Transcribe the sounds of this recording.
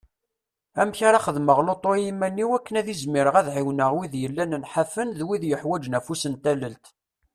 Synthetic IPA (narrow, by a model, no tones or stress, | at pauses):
æmçaɾˤɑχəðməʁlot̪ˤːojimːænːiwækːənæðizmiɾəʁæðʕiwnəʁwiðjəlːænənħafənðwiðjəħwæd͡ʒnæfusənt̪æləlt̪